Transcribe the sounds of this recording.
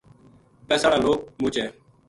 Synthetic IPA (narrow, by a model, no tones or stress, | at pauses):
pɛːsaːɽaːloːk̚mũːt͡ʃɛː